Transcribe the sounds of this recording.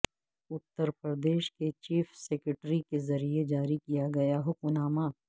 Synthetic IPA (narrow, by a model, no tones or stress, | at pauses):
ʊt̪ːəɾpɾəd̪eːʃket͡ʃiːfsɛkɾɪʈɾikezɐɾied͡ʒaːɾikijaɡɐjaɦokʊnaːmaː